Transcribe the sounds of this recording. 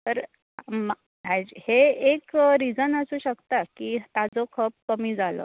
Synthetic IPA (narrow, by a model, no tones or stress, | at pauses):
t̪əɾ | m | ad͡ʑheekɾid͡zənəsuːɕəkt̪akiːt̪ad͡zokʰəp̚ːəmiːd͡zalə̰ː